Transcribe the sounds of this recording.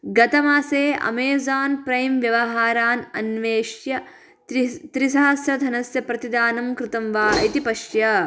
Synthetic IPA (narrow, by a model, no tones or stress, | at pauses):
ɡɐt̪ɐmaːseːɐ̰meːzaːnpɾɐjmʋjɐʋɐɦaːɾaːnɐnʋeːʃjɐ | t̪ɾisɐɦɐsɾɐd̪ʱɐnɐsjɐpɾɐt̪id̪aːnɐmkɾɪt̪ɐmʋaːit̪ipɐʃjɐ